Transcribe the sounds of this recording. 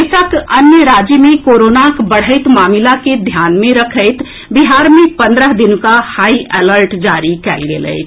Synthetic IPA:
sakənjəɾad͡ʒəmekoɾonakbəɽ̤əɪt̪maːmilaked̪ʱjanmẽɾəkʰəɪt̪ʰ | biɦaɾmẽpə̃nd̪ɾəɦd̪inkahaiʔeləɾʈd͡ʒaɾikɛlɡḛlə̰ɪt͡ʃʰ

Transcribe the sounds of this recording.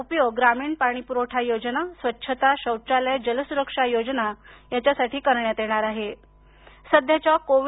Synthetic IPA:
pjoɡɾamiːɳpaɽ̃iːpuɾoʈʰajod͡znasʋətːɕʰət̪aɕəwt͡ɕaləjd͡ʑələsuɾəkʂajod͡znajat͡ɕjasaʈiːkəɾɳjat̪jeɽ̃aɾaɦe | səd̪ʱjat͡ɕjakoʋ

